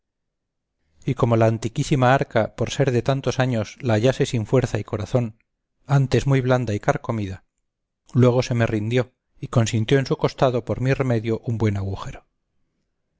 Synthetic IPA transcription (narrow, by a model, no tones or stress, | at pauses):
iko̞mo̞laːnt̪ikisimaaɾkapo̞ɾse̞ɾðe̞t̪ant̪o̞saɲo̞slaːʎase̞siɱfwe̞ɾθaiko̞ɾaθo̞n | ant̪e̞zmujβ̞land̪aikaɾko̞miða | lwe̞ɣ̞o̞se̞me̞rind̪jo̞ | iko̞nsint̪jo̞e̞nsuko̞st̪aðo̞po̞ɾmire̞me̞ðjo̞ʔumbwe̞naɣuxe̞ɾo